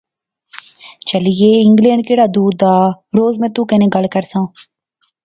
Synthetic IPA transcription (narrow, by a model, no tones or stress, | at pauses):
t͡ʃəlɪjeːɪŋɡlẽːɳɖ̚keːɽaːd̪uːd̪aːɾoːzmẽːt̪uːkənẽːɡəlkəɾsãː